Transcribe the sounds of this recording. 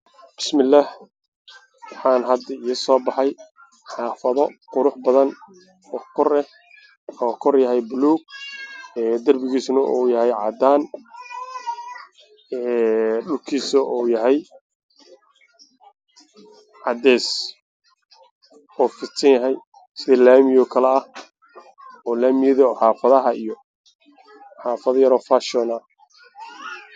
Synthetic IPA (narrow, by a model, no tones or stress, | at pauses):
b̥ɪ̥smɪlːaːh | wɑħɑːnɦɐd̪ɐiɪsɔːbɑħɑj | ħɑːfɐðɔqʊɾʊħbɐðɐn | ɔːkʰɔrɛ | ɔːkʰɔrjɐɦɛjbluːɡ̚ | ɛːd̪ɐrbɪɣiːsnɐʔuːjɐɦɛjʕɑ̰d̪aːn | ɛːɖʊlkʰiːsɐʔɔːjɐɦɛj | ʕɑd̪ɛːs | ɔːfɪt̪sɐnjɐɦɛj | sɪðɛlaːmɪjɔkʰɐlɛɐh | ɔːlaːmɪjɪðɐħaːfɐðɐɦɐijɔ | ħaːfɐðjɐɾɔːfaʃɔnɐ